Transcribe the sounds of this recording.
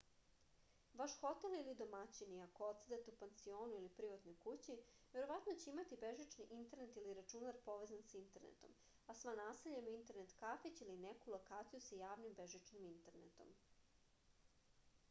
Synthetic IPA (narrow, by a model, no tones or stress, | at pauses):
ʋaʃxo̞t̪elilid̪o̞mat͡ɕiniakoot̪sed̪et̪eupent̪sio̞ːnuilipɾiʋat̪no̞jkut͡ɕi | ʋe̞ɾo̞ʋat̪not͡ɕeimat̪ibe̞ʒit͡ʃniʔint̪e̞ɾnet̪iliɾat͡ʃunaɾpo̞ʋe̞zansint̪e̞ɾnḛt̪o̞̰m | asʋanaːseʎamuint̪e̞ɾne̞t̪kafet͡ɕiline̞kulˠo̞kaːt̪sijusajaːʋnimbe̞ʒit͡ʃnimint̪eɾnḛt̪o̞̰m